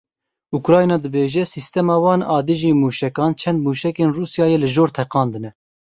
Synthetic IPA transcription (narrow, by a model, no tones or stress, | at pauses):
ukɾɑːjnɑːd̪ɨbeːʒɛsist̪ɛmɑːwɑːnɑːd̪ɨʒiːmuːʃɛkɑːnt͡ʃʰɛnd̪̚muːʃɛkeːnruːsjɑːjeːlɨʒoːɾt̪ʰɛqɑːnd̪ɨnɛ